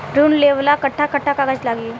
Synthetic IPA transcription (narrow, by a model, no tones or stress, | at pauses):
ɾuːnleːʋlakɐʈʰːakɐʈʰːakaɡəd͡ʒlaːɡi